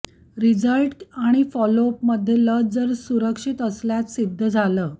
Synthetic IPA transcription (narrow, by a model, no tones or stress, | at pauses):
ɾid͡zəlʈaɽ̃ifɔlopməd̪ʱjeləd͡zəɾsuɾəkʂit̪əsljat͡ssid̪ʱːəd͡zʱaləː